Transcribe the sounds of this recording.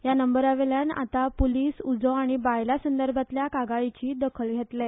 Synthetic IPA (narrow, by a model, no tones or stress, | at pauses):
janəmbəɾaʋeljana̰t̪apoliːsud͡zoaɽ̃ibajlasənd̪əɾbʱat̪ljakaɡait͡ɕiːd̪əkʰəlɡʱet̪le